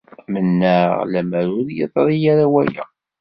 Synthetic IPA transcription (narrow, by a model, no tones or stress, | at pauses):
mənːəʁlæmæɾʊɾjəðˤɾˤijaɾawæjæ̰